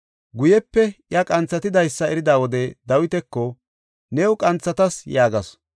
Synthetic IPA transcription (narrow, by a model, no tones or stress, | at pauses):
ɡʊjɛpːɛjɐkʼɐnt͡sːɐt̪ɪd̪ɐjsːɐɛɾɪd̪aːwɔd̪ɛd̪ɐwɪt̪ɛkːɔ | nɛːwʊkʼɐnt͡sːɐt̪ɐsjaːɡɐs